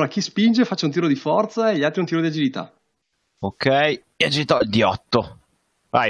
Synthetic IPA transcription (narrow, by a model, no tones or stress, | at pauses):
ɾak̟ispind͡ʒefat͡ʃːaunt̪iːɾod̪ifɔrt̪saeʎiat̪ɾiunt̪iːɾod̪iad͡ʒilit̪a̰ | okʰɛj | iad͡ʒiit̪ɔild̪iɔt̪ːo | va̰j